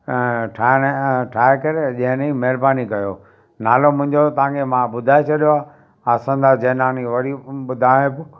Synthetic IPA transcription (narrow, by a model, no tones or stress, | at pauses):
ʈʰaʈʰaːekɐɾeʄɐ̃ɦɪ̃nĩmeːɾbaːnikɐjo̰ː | naːlomʊ̃ɦɪ̃ɲd͡ʑot̪ɐãkʰemãɓʊd̪ʱaːet͡ɕɐɗijoaː | aːsə̃nd̪aːd͡ʑɐːnaːniʋɐɾiɓʊd̪ʱaːẽbʊ